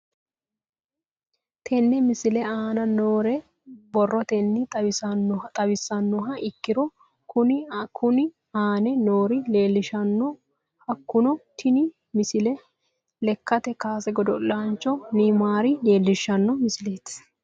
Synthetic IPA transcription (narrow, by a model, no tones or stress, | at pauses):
t̪ʰɛnːɛmɪsɪlɛaːnɐnoːɾɛ | bɔrːɔt̪ɛnːɪt̪ː | t̪ʼɐbɪsːɐnːɔɦɐʔɪkːɪɾɔ | kʊnkʰʊnɪ | aːnɛnoːɾɪle̞ːlːɪʃɐnːɔ | hɐkːʊnɔt̪ʰɪnɪ | mɪsɪlɛ | lɛkːɐt̪ɛkaːsɛɡɔd̪ɔlːaːnt͡ʃːɔnɪmaːɾɪle̞ːlːɪʃːɐnːɔmɪsɪle̞ːt̪